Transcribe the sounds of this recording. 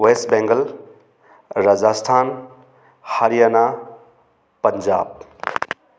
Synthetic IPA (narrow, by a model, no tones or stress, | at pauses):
wesʈ̚bẽŋɡəl | ɾad͡ʒaːstʰaːn | hɐɾijana | pɐɲd͡ʒa̰ːb̚